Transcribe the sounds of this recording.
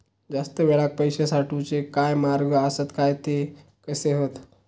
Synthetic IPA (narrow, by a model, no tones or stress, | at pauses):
d͡zast̪əʋeɭak̚pəjɕesaʈut͡sekajmaɾɡəəsət̪kajt̪e | kəseɦot̪